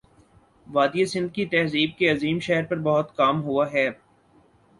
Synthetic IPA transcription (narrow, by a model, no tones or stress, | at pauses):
ʋaːd̪ijesɪ̃nd̪̚kit̪ɛɦziːb̚keɐziːmʃɛɦɾpɐɾbɐɦʊt̪kaːmɦuaɦɛː